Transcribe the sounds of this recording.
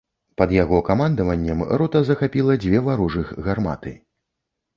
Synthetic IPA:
pɐd̪jaɣɔkamand̪ɐvɐnʲːɐmɾɔt̪ɐzɐxapʲilˠɐd͡zʲvʲɛvaɾuʐɨxɣarma̰t̪ɨ̰

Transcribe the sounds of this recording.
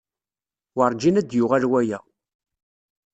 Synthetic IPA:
wəɾˤd͡ʒinæd̪jʊʁælwæjæ̰

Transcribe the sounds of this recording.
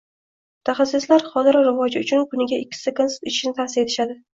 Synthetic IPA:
mʊt̪ʰaχasːɪslaɾχɒzɪɾɾɪvɒd͡ʒɪʊt͡ʃʰʊnkʰʊnɪɡʲaɪkʲːɪ̥sɪakʰonse̥t̪ɪt͡ʃɪ̥ʃɪnɪt̪ʰasɪɾe̞t̪ʰɪʃad̪ɪ

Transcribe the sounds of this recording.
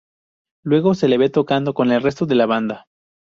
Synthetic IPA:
lwe̞ɣo̞se̞leβe̞t̪o̞kand̪oko̞ne̞lre̞st̪o̞ðe̞laβand̪a

